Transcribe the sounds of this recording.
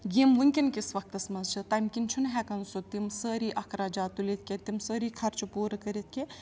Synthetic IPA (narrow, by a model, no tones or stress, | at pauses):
ɡimʋuŋkʲinkisʋɐk̚t̪ɐsmɐzt͡ʃʰit̪ɐjmkinʲt͡ʃʰunɦɛkɐnsut̪imsəːɾiːʔɐkʰɾaːd͡ʒaːt̪ulit̪̚ʰkʲet̪imsəːɾiːkʰɐɾt͡ʃʰupuːɾɐkɐɾit̪̚ʰke